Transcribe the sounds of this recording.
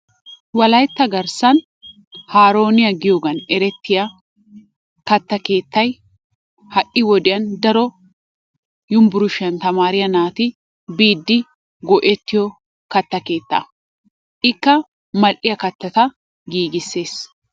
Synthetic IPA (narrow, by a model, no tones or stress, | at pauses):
wɐlɐjt̪ːɐɡɐɾsɐn | haːɾo̞ːnɪjɐɡɪjoɡɐnɛɾɛt̪ːɪjɐ | kɐt̪ːɐke̞ːt̪ːɐj | hɐʔɪwɔd̪ɪjɐnd̪ɐɾɔ | jʊmbʊɾʊʃɪɐnt̪ɐmaːɾɪjɐnaːt̪ɪ | biːd̪ːɪ | ɡɔʔɛt̪ːɪjɔ | kɐt̪ːɐke̞ːt̪ːɐ̰ | ʔɪkːɐ | mɐlʔɪjɐkɐt̪ːɐt̪ɐ | ɡiːɡɪsːe̞ːs